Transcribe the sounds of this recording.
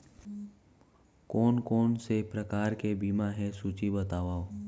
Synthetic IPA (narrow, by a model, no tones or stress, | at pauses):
kɔːnkɔːnsepɾəkaːɾkebiːmaɦɛsuːt͡ʃibət̪aːʋaːo